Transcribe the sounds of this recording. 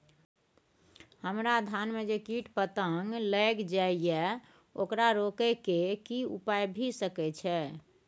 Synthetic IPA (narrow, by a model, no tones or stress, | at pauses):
həmɾad̪ʱanmed͡ʒekiʈpət̪əŋɡləkd͡ʒaijɛ | okɾaɾokɛkekiupajbʱisəkɛt͡ʃʰɛ